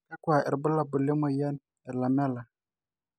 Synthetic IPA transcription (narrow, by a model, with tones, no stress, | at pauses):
ka˦kwa˨ɛ̰˨ɾbə˦la˨bu˨le˦mo˨ja˦n | ɛ˨ɾla˨mɛ˦la˨